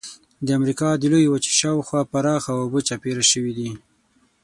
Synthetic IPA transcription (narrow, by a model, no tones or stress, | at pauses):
d̪əamɾikɑd̪əlojwat͡ʃe̥ʃɑwxwɑpaɾɑxawabət͡ʃapeɾaʃəwid̪i